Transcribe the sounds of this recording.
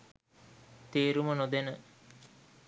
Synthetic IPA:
t̪eːɾumənod̪enə

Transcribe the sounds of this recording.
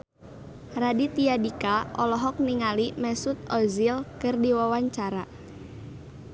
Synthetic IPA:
radit̪iadikaɔlɔɦɔk̚niŋalimɛsut̪̚ɔzilkɨrdiwawaɲt͡ʃaɾa

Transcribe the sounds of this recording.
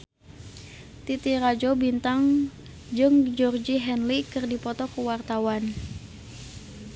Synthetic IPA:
t̪it̪iɾad͡ʒobint̪aŋ | d͡ʒɨŋd͡ʒɔrd͡ʒiɦɛnlikɨrdipɔt̪ɔkuwart̪awan

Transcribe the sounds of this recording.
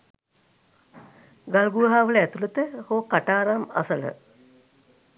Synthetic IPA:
ɡalɡuʋəɦaːʋələæt̪ulət̪əhoːkaʈaːɾama̰sələ̰

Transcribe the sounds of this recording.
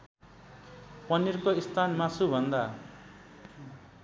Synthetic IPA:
pʌnirkoist̪ʰanmasubʱʌnd̪a

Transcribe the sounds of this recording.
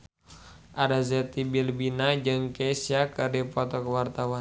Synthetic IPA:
ʔaɾazɛt̪ibilbinad͡ʒɨŋkɛsiakɨrdipɔt̪ɔkəwart̪awan

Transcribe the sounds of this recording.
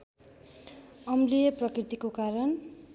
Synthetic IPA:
ʌmlijʌprʌkrit̪ikokaɾʌn

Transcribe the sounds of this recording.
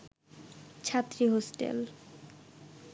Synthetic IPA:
t͡ɕʰat̪ːɾiɦosʈḛl

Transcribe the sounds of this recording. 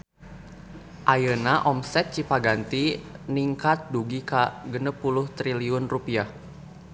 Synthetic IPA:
ʔajənaʔɔmsɛt̪̚t͡ʃipaɡant̪iniŋkat̪̚duɡikaɡənəpulʊht̪ɾiliʊnrupiah

